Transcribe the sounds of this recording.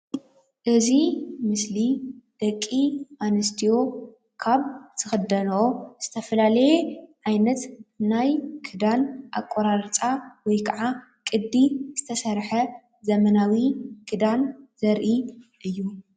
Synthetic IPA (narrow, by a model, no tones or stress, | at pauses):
ʔɨzimɨslid̪̥ɐkʼːianɨst̪ʰijo̞ | kʰaβt̪ʰɨxɨd̪ɐnoz̥ɨt̪ʰɐfɐlalɐjeʕajnɐt̪najkʰɨd̪anʔa̰kʷʼːoɾaɾt͡sʼawɔjkʰɐʕa | kʼɨd̪ːizɨt̪ʰɐsɐɾħɐ | zɐmɐnawikʰɨd̪anzɐɾʔiʔɨjːu